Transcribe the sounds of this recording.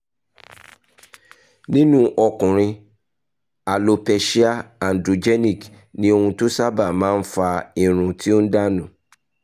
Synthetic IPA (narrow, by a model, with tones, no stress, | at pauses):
nĩ˦nũ˦ʔɔ˧kũ˨ɾ̃ĩ˧ | a˨lo˨pɛ˧ʃi˦a˦ã˨n̩˨dɾo˨d͡ʒɛ˦nĩ˦˨k | nĩ˦o˦˧hũ˧tu˦sa˦ba˦˨mãː˦fa˧ĩ˨ɾ̃ũ˧ti˦o˦n̩˦da˦nũ˨